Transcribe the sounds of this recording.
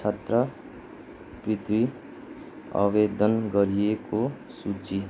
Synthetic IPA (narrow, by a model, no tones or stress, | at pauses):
t͡ʃʰət̪ɾə | pɾɪd̪wi | a̰ʋeːd̪ənɡəɾieko | sut͡ʃi